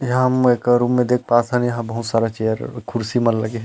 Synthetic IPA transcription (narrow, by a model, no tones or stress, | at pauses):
jɦãmekɾumːẽd̪ek̚ʰpaːsʰə̃njɐɦãbəɦut̪saɾat͡ʃejəɾkʰːʊɾsimənləɡeɦ